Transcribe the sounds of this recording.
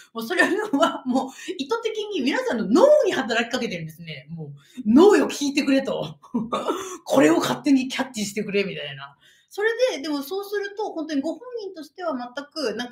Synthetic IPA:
moːso̞ɾenoβamoːit̪ːot̪e̞kʲiɲ̟imʲinasãnːo̞noːɲ̟ihat̪aɾakʲi̥kake̞t̪e̞ɾɯ̟nd̪esɨne̞moː | no̞ːjo̞kʲiːt̪e̞kɯ̟ɾe̞t̪o̞ | kʰo̞ɾe̞o̞kʰat̪ːe̞ɲ̟ikʲʰat̪ʲːiɕi̥t̪e̞kɯ̟ɾe̞mʲit̪aina | so̞ɾe̞d̪e̞d̪e̞mo̞so̞ːsɨɾɯ̟t̪o̞hõt̪o̞ɲ̟iɡo̞hõ̞ɲ̟ːĩnt̪o̞ɕi̥t̪e̞β̞amat̪ːakɯ̟nãŋk

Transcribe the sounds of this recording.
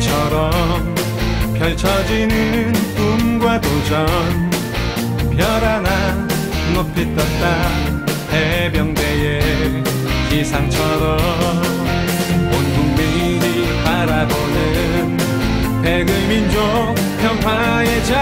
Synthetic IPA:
t͡ɕʰʌɾʌm | pjʌɭt͡ɕʰʌd͡ʑinɯnkumɡwadod͡ʑʌn | pjʌɾana | nopʰit͈ʌt̚t͈a | hebjʌŋdeje | kisʰaŋt͡ɕʰʌɾʌm | onbuŋmi | ɾi | paɾabonɯɯ | n | peɡɯmind͡ʑo | ŋ | pʰjʌnpʰwa | jed͡ʑa

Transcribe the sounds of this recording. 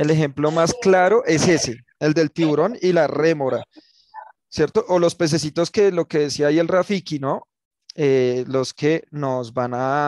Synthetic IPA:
elexe̞mplo̞masklaɾo̞ʔe̞se̞se̞ | eld̪e̞lt̪iβuɾo̞nilare̞moɾa | sje̞ɾt̪oʔolo̞spe̞s̬e̞s̬it̪o̞ske̞lo̞ke̞ðesiaielrafikino̞ | elo̞ske̞no̞zbana

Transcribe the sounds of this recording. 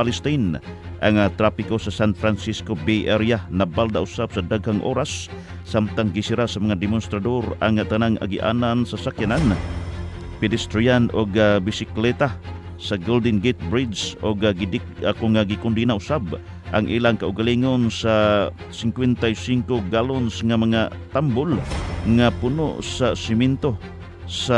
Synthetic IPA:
palɪst̪ajn | ʔaŋat̪ɾapikosasanfɾansiskobejʔɛɾjanabald̪aʔʊsabsad̪aɡhaŋʔo̰ɾasː | amt̪aŋɡɪsiɾasamaŋad̪ɛmʊnst̪ɾad̪oɾaŋat̪anaŋʔa̰ɡiʔa̰nansasakjanan | pɛd̪ɪst̪ɾianʔoɡabisɪklɛt̪a | saɡold̪ɛnɡet̪̚bɾid̪sʔoɡaɡidi | akoŋaɡikʊnd̪inaʊsab | ʔaŋʔilaŋkaʊɡaliŋonsa | sɪŋkwɛnt̪ajsiŋkoɡalonsŋamaŋat̪ambʊlŋapuno̰sasɪmɛnt̪o | sa

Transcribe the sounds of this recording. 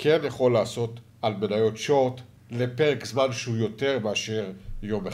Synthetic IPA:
kʰenjaχo̞lːaːso̞t̪ | almenajo̞tʃot̪ | le̞pe̞ʁekzmanʃeujo̞te̞ʁmeaʃeʁjo̞me

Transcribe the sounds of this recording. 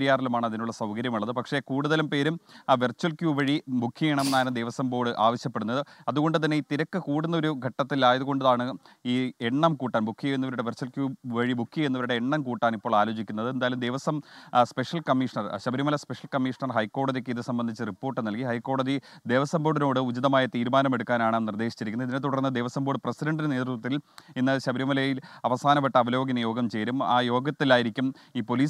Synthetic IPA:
ɾijaːrilumaːɳɨɐðinuɭːɐsɐwkɐɾjɐmuɭːɐðɨpɐkʂe̞kuːɽuðɐlumpe̞ːɾumʋirt͡ɕːwɐlkʲjuːʋɐɻimukʰːijeɳɐmenːaːlɨmd̪eʋɐsɐmbo̞ːɽɨʔaːʋɐɕjɐpːe̞ɽunːɐðɨɐðuɣo̞ɳɖɨt̪̬ɐnːe̞iːt̪iɾɐkːɨkuːɽunːɐo̞ɾuɡʱɐʈːɐt̪ːilaːjɐðuɣoɳɖuðaːɳɨiːeɳːɐmkuːʈːaːnbukʰːijenːɐʋɐɾuɽe̞ʋɐrt͡ɕuwɐlkjuːʋɐɻibukʰːienːuʋɐɾuɽeːɳːɐmkuːʈːaːnipːo̞ːɭaːlo̞ːt͡ɕikʲːunːɐðɨe̞nd̪aːjɐlumd̪ejʋɐsɐmspe̞ʂɐlkɐmːiʂɐɳɐrɕɐbɾumɐlɐspeʂɐlkɐmːiʂɐɳɐrɦɐjkːo̞ːɽɐðikːɨiðɨsɐmbɐnd̪ʱit͡ɕːɨripːoːrʈːɨnɐlkiɦɐjkːo̞ːɽɐðid̪e̞ːʋɐsɐmboːɽino̞ːɽɨud͡ʑiðɐmaːjɐt̪iːɾumaːnɐme̞ɽukːaːnaːɳɐnird̪eːɕi̥t͡ɕːiɾikʲːunːɐiðinet̪uɽɐrnːɨd̪e̞ːʋɐsɐmboːɽɨprɐsidɐɳɖinne̞ːd̪ɾt̪ːwɐt̪ːilinːɨɕɐbɾimɐlɐjilɐʋɐsaːnɐpːeʈːɐɐʋɐlo̞ːɡinɐjo̞ːɡɐmt͡ɕe̞jɾuma̰ːjo̞ːɡɐt̪ːilaːjiɾikʲːumiːpo̞liː

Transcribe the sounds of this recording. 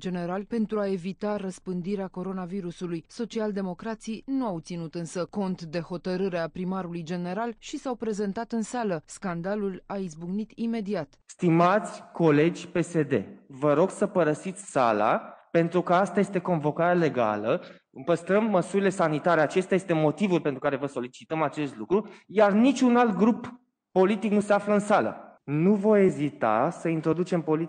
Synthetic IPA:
d͡ʒe̞ne̞ɾalpe̞nt̪ɾuae̞vit̪arəspɨnd̪iɾeako̞ɾo̞naviɾusulujso̞t͡ʃiald̪e̞mo̞kɾat̪sijnuawt̪sinut̪ɨnsəko̞nt̪d̪e̞ho̞t̪əɾɨɾeapɾimaɾulujd͡ʒe̞ne̞ɾalʃisawpɾe̞ze̞nt̪at̪ɨnsaləskand̪alulaizbuɡnit̪ime̞d̪iat̪st̪imat̪sʲko̞le̞d͡ʒʲpe̞se̞d̪e̞̰vəɾo̞ɡsəpəɾəsit̪sʲsa̰la̰pe̞nt̪ɾukəast̪aje̞st̪e̞ko̞nvo̞kaɾeale̞ɡa̰lə | ɨpəst̪ɾəmːəsuɾile̞sanit̪aɾe̞at͡ʃe̞st̪eajest̪e̞mo̞t̪ivulpent̪ɾukaɾe̞vəso̞lit͡ʃit̪əmat͡ʃe̞st̪lukɾujarnit͡ʃʲunalt̪̚ɡɾupː | o̞lit̪iknuse̞afləɨnsalə̰nuvo̞je̞zit̪a̰səint̪ɾo̞d̪ut͡ʃe̞mpo̞li

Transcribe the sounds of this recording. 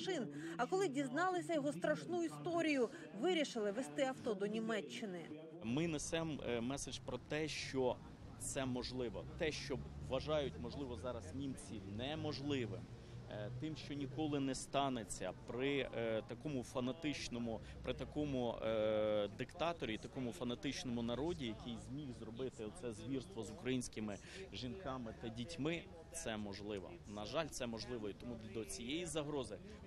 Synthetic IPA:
ʃɪnɐkɔlˠɪdʲiznɑlˠɪsʲɐjɔɦɔst̪ɾɐʃnujist̪ɔɾʲijʊ | ʋɪɾʲiʃɪlˠɪʋest̪ɪɐwt̪ɔd̪ɔnʲimɛt͡ʃːɪnɪ | mɪnesɛmmɛsed͡ʒpɾɔt̪ɛʃt͡ʃɔ | t̪sɛmɔʒlˠɪʋɔt̪ɛʃt͡ʃɔʋɐʒɑjʊtʲmɔʒlˠɪʋɔzɑɾɐsnʲimt͡sʲinɛmɔʒlˠɪʋɪ̰m | t̪ɪmʃt͡ʃɔnʲikɔlˠɪnɛst̪ɑnet͡sʲːɐ̰pɾɪt̪ɐkɔmʊfɐnɐt̪ɪt͡ʃnɔmʊ | pɾɪt̪ɐkɔmʊ | d̪ɪkt̪ɑt̪ɔɾʲit̪ɐkɔmʊfɐnɐt̪ɪt͡ʃnɔmʊnɐɾɔdʲijɐkɪjzmʲixzrɔbɪt̪ɪɔt̪sɛzʋʲirst̪ʋɔzʊkɾɐjinʲsʲkɪmɪ | ʒinkɑmɪt̪ɐdʲitʲmɪ | t̪sɛmɔʒlˠɪʋɔ̰nɐʒɑlʲt̪sɛmɔʒlˠɪʋɔit̪ɔmud̪ɔt͡sʲijɛjizɐɦɾɔzɪ

